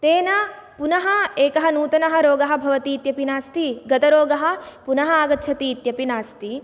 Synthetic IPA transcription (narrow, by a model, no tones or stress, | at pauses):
t̪eːnɐ | punɐɦɐeːkɐɦɐnuːt̪ɐnɐɦɐɾoːɡɐɦɐ̆bʱɐʋɐt̪iːt̪jɐpinaːst̪iɡɐt̪ɐɾoːɡɐɦɐ̆punɐɦɐaːɡɐt̪ːʃʰɐt̪iːt̪jɐpinaːst̪i